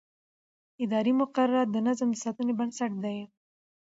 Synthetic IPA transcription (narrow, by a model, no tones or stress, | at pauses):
ɪd̪ɑɾimʊqaɾaɾad̪ənazmd̪əsɑt̪unebaɳsaʈ̚d̪aj